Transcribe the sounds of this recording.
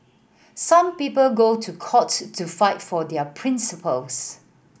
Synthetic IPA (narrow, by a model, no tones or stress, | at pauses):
sãmpiːpəlɡotʰukʰɔtːufaɪtfɔdɛpʰɹɪ̃nsəpəls